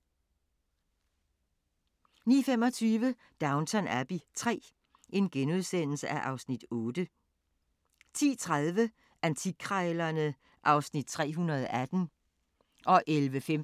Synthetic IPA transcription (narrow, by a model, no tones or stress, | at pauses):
nḭːfem̰ɒ̽t͡sʰyːʋə | d̥ɑ̈ʊnt͡sʰɒnæɐb̥it͡sʰʁɛ̰ː | e̝nɡ̥enuð̞ˠsen̰l̩səʔæʔɑ̈ʊsnid̥ɔ̽ːd̥ə | t͡sʰḭːt͡sʰʁaðˠʋə | ʔænt͡sʰikʰʁɑɪlɐnə | ʔɑ̈ʊsnid̥̚t͡sʰʁɛ̰ːɦunɐð̞ˠɒʔæd̥n̩ | ʔɒ̽ʔelʋəfem